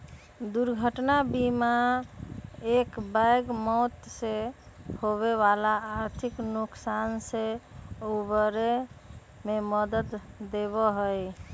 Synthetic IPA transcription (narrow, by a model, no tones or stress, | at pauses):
d̪uɾɡʱəʈnabima | ekbajɡmɔt̪se | hoβeβalaːɾt̪ʰiknuksanseobəɾe | meməd̪ət̪ːeβɔɦəj